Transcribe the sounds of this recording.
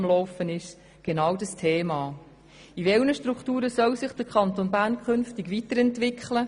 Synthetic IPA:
mlɔwfənɪʃ | ɡ̥enɑwdɑstʰeːmɑː | iʋɛlnəʃtɾuktuːɾəsœlsɪχd̥əɾkʰɑnt̪onbæɾnkʰʏnftɪɡʋitəɾɛntvɪkχlə

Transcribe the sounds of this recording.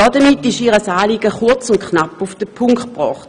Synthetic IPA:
ɔdɐmitɪʃiːʁəsaːliːɡəχʊɐt͡sʊnt̚knapufd̥əpʰʊŋktb̥ʁɔːχt

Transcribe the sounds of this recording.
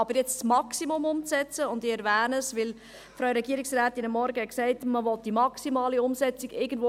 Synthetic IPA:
ɑbəɾjɛt͡ssmɑksimʊmʊmt͡sɛt͡səʊndɪɛɾʋæːnəsʋɪl | fɾœwɾɛɡiːɾiksɾæːtinəmːɔɾɡəɛksɛɪtməʋɔt̚d̥imɑksimɑːliʊmsɛt͡siɡɪɡən̩dvo

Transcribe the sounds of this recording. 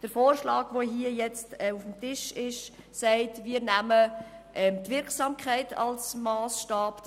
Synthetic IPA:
d̥əɾfoːrʃlɑːɡ̥ʋoɦiəjɛt͡stɛufm̩tɪʃɪʃ | sæɪtʋiːəɾnæməʔɛmtʋɪɾksɑːmkʰæɪtʰɑ̰lsmɑːsʃtɑːp

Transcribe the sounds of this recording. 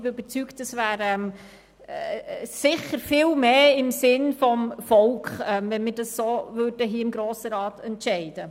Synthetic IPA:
bɪøb̥əɾt͡syktəsvæːɾɛm | sɪχəɾfɪːlmeːɪmsɪnfɔmfɔlkχɛmvɛnmɪːɾdɑsːoːvøːɾd̥əɦiəɪmɡɾoːsəɾɑːtɛntʃɛɪd̥ə

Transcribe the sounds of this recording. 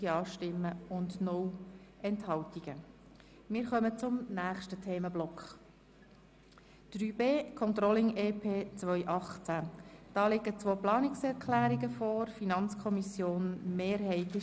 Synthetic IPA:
iɑːʃtɪmːəʊndnɔwʔɛnthɑwtiɡ̥ə | mɪːɾχœmət͡sʊmnæːχʃtətʰeːməblɔkχ | d̪̥ɾyːbeːkʰɔnt̪ɾɔlɪŋeːpʰeːt͡sʋœʏʔɑχt͡sæd̥ɑːlɪɡət͡sʋoːplɑːnɪksɛɾkʰlæːɾiɡəfɔːɾfinɑnt͡skʰɔmisjoːnmeːɾhɛɪtɪ

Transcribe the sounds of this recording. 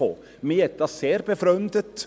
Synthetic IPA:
o̰ | miɛt̪ːɑseːɾbɛfɾœnd̪ət̪

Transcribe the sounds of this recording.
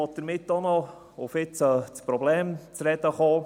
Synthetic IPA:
ɔd̥̪əɾmɪt̪dɔnɔ | ʊfɪt͡sət͡spɾɔblɛːmt͡sɾɛd̪əχɑː

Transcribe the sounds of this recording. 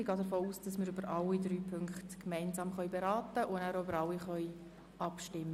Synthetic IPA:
iɡɑːdəɾfoːuːsd̥ɑsmɪːɾʏbəɾʔɑlːidɾyːpʰʏŋkχtkmɛɪnzɑːmχœʏbeɾɑːtəʔʊnæːɾʏbəɾɑliχœj | ɑpʃtɪmːə

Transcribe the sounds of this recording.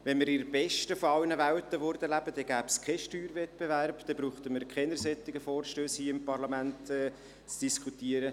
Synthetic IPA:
vɛnmɪɾɪɾbɛʃtəfɔɑwnəvæwtəʋʊɾd̥̪əlæb̥əd̥ɛɡ̥æːpskʰɛʃtyːɾvɛt̚b̥eværbd̥ɛbɾuːχt̪əməɾkʰχɛnəɾsɛt̪ːɪɡəfɔːɾʃtøːshiəɪmpɑɾlɑmæntɛ | t͡sd̥iskχut̪iːəɾə

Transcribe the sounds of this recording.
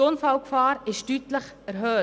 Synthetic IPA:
onfaʊkfaːɾɪʃtytləχɛɾɦøː

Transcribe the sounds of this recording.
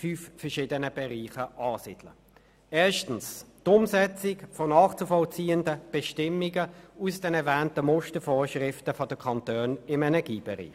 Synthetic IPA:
fyːffɛɐʃɪːdənəbɛʁiːχəʔɑːsɪd̥lə̰ | ɛːɐʃtn̩stʊmsɛt͡sɪkfonɑːχt͡sufɔlt͡siːəndəb̥ɛʃtɪmːiɡəusd̥ɛnɛɐvæːntəmɔstəfoːʃʁɪftəfodəkʰɑntøːnɪmɛnɛɐɡiːb̥ɛʁḭːχ

